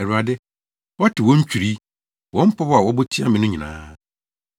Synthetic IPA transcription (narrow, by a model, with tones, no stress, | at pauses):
ɛ˨ɾu˨a˨dɪ˦ | wɔ˦tʰɪ˨wɔ̃˦ɲ̩˦t͡ɕᶣu˨ɾi˦ | wɔ̃˦m̩˦pʰɔ˦ba˨wɔ˦bo˦tʰi˦a˦mɪ̃˨nʊ̃˦ɲĩ˨nã̰ː˦